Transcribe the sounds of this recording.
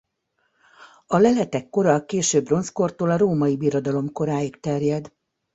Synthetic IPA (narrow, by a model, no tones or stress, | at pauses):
ɒlɛlɛt̪ɛkːo̞ɾɒkeːʃøːbro̞nskort̪oːlɒɾoːmɒibiɾo̞d̪ɒlo̞mko̞ɾaːjikt̪ɛrjɛd̪